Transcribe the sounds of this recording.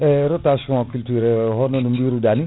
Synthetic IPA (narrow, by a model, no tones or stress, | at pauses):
ɛɾot̪asɔ̃kylt̪yɾeɦɔnɔnumbiɾudani